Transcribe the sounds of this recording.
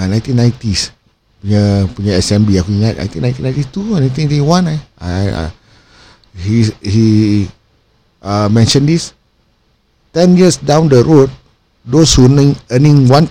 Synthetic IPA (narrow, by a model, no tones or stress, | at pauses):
nãj̃t̪inːãj̃t̪is | puɲapuɲaɛsɛmbliakuiŋat̪̚na̰j̃nt̪inãjnt̪inãj̃t̪ist̪unãt̪inãtiwãnaja̰ | hihi | ʔamɛ̃nʃə̃ndis | tɛ̃njisdãw̃ndəɹot̪̚ | doshunĩŋənĩŋwãn